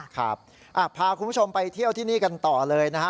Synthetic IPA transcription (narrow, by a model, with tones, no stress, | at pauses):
kʰa˦˥˩p̚ | ʔa˨˩pʰaː˧kʰu˧mbʰo˧mpa˧jt̪ʰi˥˩əwt̪ʰiː˥˩niː˥˩ka˧nt̪ɔː˨˩lɤː˧jna˦˥kʰa˦˥